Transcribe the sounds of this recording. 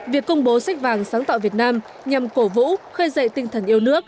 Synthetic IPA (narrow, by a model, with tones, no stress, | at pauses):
vi˨˩əkːʊ˧wŋ͡mɓo˨˦sa˦˥jk̟̚vaː˨˩ŋsaː˨˦ŋt̪a̰ː˧˨vi˨˩ət̚naː˧m | ɲa˨˩mko˧˩vṵ˧˥xəː˧jzə̰˧˨jt̪ï˧ŋ̟t̪ʰə˨˩nʔi˧əwnɨ˦˥ək̚